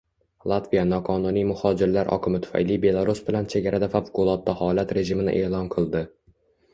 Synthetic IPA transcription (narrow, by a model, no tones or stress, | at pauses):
lˠat̪vijanɒqʰɒnʊnijmʊhɒd͡ʒɪɾlaɾʔɒ̰qʰɨmɪt̪ʰʊ̥fa̰jlijbe̞lˠaɾusbɪlant͡ʃʰe̞ɡʲaɾad̪afafkʊlˠɒt̪̚ːahɒlat̪ɾe̞ʒɪmɪnɪ̰ʔe̞ːlˠɒnqʰɨlˠd̪ɪ